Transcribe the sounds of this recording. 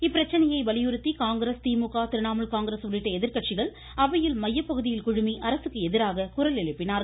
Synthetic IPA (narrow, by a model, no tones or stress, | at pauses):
ɪpːɪɾɐt͡ʃːɐnɐjɐɪʋɐɭɪjɯɾɯt̪ːikaːŋɡɪɾest̪iːmʊkaːt̪ɪɾɯnaːmɐɭkaːŋɡɪɾeːsʊɭɪʈːɐɛðɪɾkɐʈt͡ʃɪɣɐɭ | ɐʋɐjɪlmɐjːɐpːɐɣɯðɪjɪlkʊɻʊmiʔɐɾɐsɯkːɯɛðɪɾaːɣɐkʊɾɐlɛɻɯpːɪnaːɾ